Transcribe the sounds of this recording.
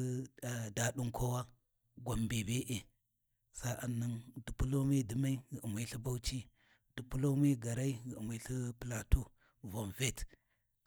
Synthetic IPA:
da˨ɗu˦ŋkʰo˦wa˦ | ɡʷa˨mbe˨be˦ʔe˨ | sa˦ʔa˨nːə˦ŋdu˨pu˦lo˦me˦di˨ma˦i˦ɣmʷa˦ɬi˦ba˦wt͡ʃi˦ | d̥u˨pu˦lo˦me˦ɡa˨ɾa˦i˦ɣə̰˨mʷa˦ɬi˦pla˨tu˦ | vo˨nve˦t

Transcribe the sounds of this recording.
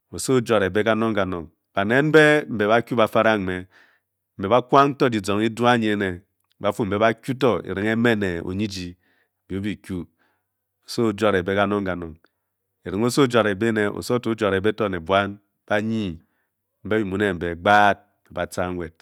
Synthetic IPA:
o˨so˦d͡ʒo˨ɾe˨be˦ka˦no˦ŋka˨no˨ŋ | b̥a˨ne˦n̩˦be˦m̩˨be˨ba˦kʲu˦ba˨fa˦ɾa˦m̩˨me˨ | m̩˨be˨ba˦kʷa˦ŋn̩˦to˦di˨d͡zo˨ŋi˦dwa˦ɲe˨˦ne˨˦ | ba˨˦fu˦m̩˨e˨˦ba˦kʲu˦to˦ḛ˨ɾi˨ŋe˦me˦ne˨o̰˨ɲi˦d͡ʒi˨ | bi˨o˦bi˨kʲu˦ | o˨so˦˨˦d͡ʒo˦ɾe˨be˦ka˦no˦ŋka˨nɔ˨ŋ | e˨ɾi˨ŋo˦so˦d͡ʒa˨ɾe˨be˦ne˨o̰˨so˦to˦d͡ʒa˨ɾe˨be˦to˦˨ne˨bwa˦n | b̥a˦ɲi˦ | m̩˦be˦bi˨mu˨ne˨m̩˨be˨ɡ͡baː˦t̩̚˨be˨ba˨t͡sa˦ŋ˦we˨t̚

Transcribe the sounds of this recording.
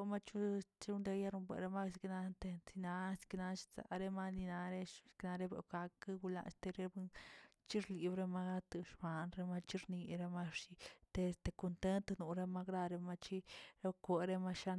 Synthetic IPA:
ma˦t͡ʃu˦t͡ʃi˧˦u˦nd̪e˧ja˦ɾu˧bʷḛ˨ɾe˧ma˦ksi˧kna˧nt̪e˧t͡si˧na˧skna˧t͡ʃi̥˧sa̰˨ɾe˧ma˦ni˧na˧ɾe̥˦kna˧ɾe˦bḛ˧˨ɡa˧kɨ˦ɡu˧la̰˧˨st̪e˧ɾe˦bt͡ʃi˦ɾli˨bɾe˧ma˧ɡa˦t̪ɨ˧ʃba˨nɾe˧ma˧t͡ʃi˦ɾni˧ɾe˧ma˦˧ʂi˧t̪e˧st̪e˧˨ko˧nt̪e˦nt̪nu˨ɾe˧ma˧kɾa˧ɾe˧ma˧t͡ʃi˦ɾe˧˦kʷe˧ɾe˦˧ma˧ʃa˧

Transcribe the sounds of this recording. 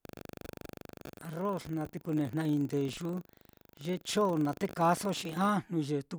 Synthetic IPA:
a˧ro˦snã˧t̪i˧ku˧nẽ˨n̥nã˧ĩ˧nd̪e˨ʒu˦ | ʒe˦t͡ʃo˦˨nã˨t̪e˦ka˧so˦ʃĩ˧ã˦n̥ũ˧ʒe˧t̪u˧

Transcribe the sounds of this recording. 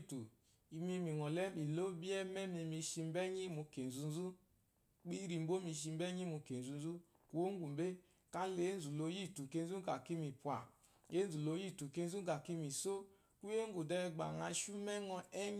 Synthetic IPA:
tu˨ | i˧mi˧mi˨ŋɔ˨lɛ˦mi˨lo˦bi˦ɛ˦mɛ˦mi˧mi˧ʃi˧m˦bɛ˦ɲi˦mu˧ke˨n˨zu˧n˦zu˦ | k͡pi˦ɾi˧m˦bo˦mi˧ʃ̬i˧m˦bɛ˦ɲi˦mu˧ke˨n˨zu˨˧n˦zu˦ | ku˦o˦ŋ˦ɡu˨m˨be˦ | ka˦le˨˦zu˨lo˧˦ji˦˨tu˨ke˧n˦zu˦ɡa˨ki˦mi˨pu˨a˨ | e˦zu˨lo˧˦ji˦˨tu˨ke˧n˦zu˦ɡa˨ki˦mi˨so˦ | ku˦je˦ŋ˦ɡu˨dɛ˧ɡ͡ba̰˨ŋa˧˦ʃu˦mɛ˦ŋɔ˧ɛ˦ɲ˦

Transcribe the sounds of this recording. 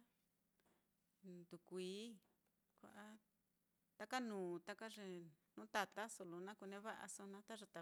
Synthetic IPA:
nd̪u˨kʷiː˨˦ | kʷa̰˨ʔa˦ | t̪a˧ka˦nũː˨t̪a˦˧ka˦ʐe˧nũ˧˦t̪a˧t̪a˦so˧lo˧nã˦ku˧nẽ˧˦βa˦ʔa̰˧so˧nã˧˦t̪a˦ʐa˧t̪a˧

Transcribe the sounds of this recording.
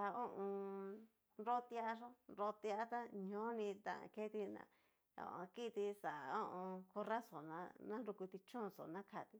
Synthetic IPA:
a˧õ˦ʔõ˧ | ɾo˦t̪i˧a˧ʂo˦ɾo˧t̪i˧a˦t̪a˦ɲõ˦nĩ˧t̪ã̰˨ã̰˧˨ke˦t̪i˧nã̰˧ | õ̰˧˨ʔõ˧ki˦˧t̪i˧sa˨˧õ˦ʔõ˧ko˧ra˦so˨nã̰˧nã˦ɾu˧ku˧t̪i˧t͡ʃõ˦˧so̰˨nã˦kʰa˧˨t̪i˧

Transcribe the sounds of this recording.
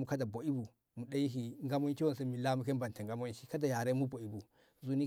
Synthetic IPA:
mu˦ka˦da˨bo˨i˦bu˨ | mu˨ɗa˦ji˦ɦi˨ŋɡa˦mo˦n˦ki˦wo˨n˨se˦mi˨la˦mu˦ke˦n˦ba˨n˨ta˨ŋɡa˦mo˦nʃi̥˦ka˦da˨ja˨ɾe˦mu˦bo˨i˦bu˨ | zu˦ni˦

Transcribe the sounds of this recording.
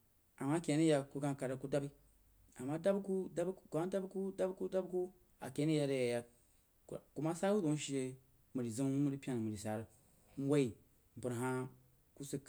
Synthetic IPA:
a˨mːa˦kʲe˨˦ni˦ja˨ku˦ɡã˦ka˨ɾa˦ku˦da˦bi˦ | a˨mːa˦da˦bku˦da˦bkɡʷa˦da˦bku˦da˦bku˦da˦bku˦ | a̰˨ke˨˦ni˦ja˨ɾe˨ja˨ja˨ | ku˦ma˦sa˦ku˦do˨˦n˦ʃi˦e˨ | mə˨ɾi˨zə˦m˦mu˦ɾi˦pʲa˦n˨mɨ˨ɾi˨sa˨˦ɾə˨ | n̩˦wa˦i˨ | m̩˨bɨ˨ɾɦa˦ | ku˦si˨k

